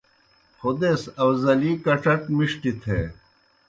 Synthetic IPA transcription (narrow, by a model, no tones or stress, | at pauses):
xud̪esɐwzɐliːkɐʈ͡ʂɐʈmiʂʈit̪ʰḛː